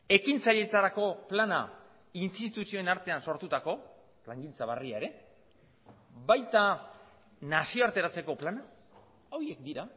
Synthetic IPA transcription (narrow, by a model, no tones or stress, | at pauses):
e̞kint͡saʎe̞t̪aɾako̞plana | inst̪it̪usio̞e̞naɾt̪e̞anso̞ɾt̪ut̪ako̞ | laŋɡint͡saβ̞ariaeɾe̞ | bajt̪a | nasio̞aɾt̪e̞ɾat͡se̞ko̞plana | o̞ɾie̞k̚d̪iɾa